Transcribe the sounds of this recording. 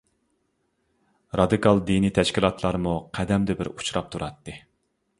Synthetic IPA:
ɾɑd̪ɨkɑlˠd̪init̪ʰɛʃkʲilˠɑt̪ʰlˠɑɾmuqʰɛd̪ɛmd̪ɪbɪ̰ɾu̥t͡ʃʰɾɑp̚t̪ʰuɾʔɑt̪ːɨ

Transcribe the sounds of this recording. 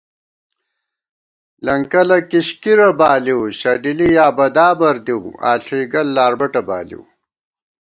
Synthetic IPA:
lɐŋkɐlɐkiɕkiɾɐbaːliwɕɐɖilijaːbɐd̪aːbɐɾd̪iwa̰ːɬʰiːɡɐlːaːɾbɐʈɐba̰ːlḭw

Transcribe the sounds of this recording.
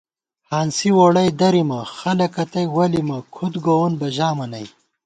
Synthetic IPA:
haːnsiwoɽɐjd̪ɐɾimɐxɐlɐkɐt̪ɐjwɐlimɐkʰut̪ɡowonbɐʑaːmɐnɐj

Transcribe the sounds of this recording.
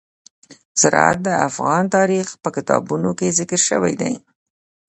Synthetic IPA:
saɾ̰a̰t̪̚d̪əafɣɑnt̪ɑɾixpəkɪt̪ɑ̰bunokezɪkəɾʃə̰wa̰jd̪a̰j

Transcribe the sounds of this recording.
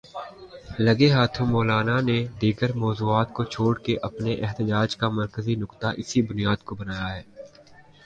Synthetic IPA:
lɐɡeɦaːt̪ʰũmɔːlaːnaned̪iːɡəɾmɔːzuːaːt̪̚kot͡ʃʰoːɽkeʔɐpneʔɛɦt̪əd͡ʒaːd͡ʒkamɐɾkəzinʊkt̪aʔɪsibʊnijaːd̪̚kobɐnaːjaɦɛː

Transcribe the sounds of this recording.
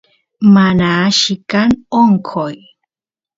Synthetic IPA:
manaːʃikanoŋkʰoj

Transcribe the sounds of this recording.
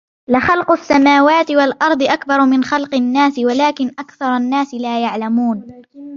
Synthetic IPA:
lɪxɑlqʊsːamaːwaːt̪ɪwalʔɑɾˤd̪ˤɨʔakbɑɾˤmɪnxɑlqɨnːaːsɪwalaːkɪnʔakθɑɾˤɑnːaːsɪlaːjaʕlamuːn

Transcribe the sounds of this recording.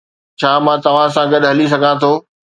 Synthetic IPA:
t͡ɕʰaːmãːt̪ɐʋ̤ãsãɡɐɗɦɐlis̬ɐɡʱãt̪ʰoː

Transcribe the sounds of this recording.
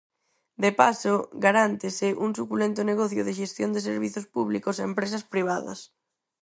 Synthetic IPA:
d̪epasoɡaɾant̪ɪsɪʔuŋsukulent̪ʊneɣɔθjʊðɪʃ̬est̪jond̪eseɾβ̞iθospuβlikoseempɾesɐspɾiβ̞aðɐ̰s

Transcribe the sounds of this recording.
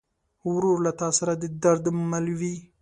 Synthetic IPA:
hʊɾuɾlat̪ɑsaɾad̪əd̪aɾd̪mmalwi

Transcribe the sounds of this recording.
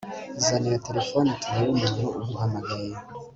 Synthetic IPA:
zanijatelefonitʰuɾaɾumuːn̥uuɡuɦamaɡaje

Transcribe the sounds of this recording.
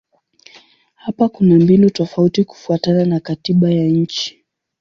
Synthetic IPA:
hapakunambinutɔfautiku̥fuatananakatiɓajaɲ̩t͡ʃi̥

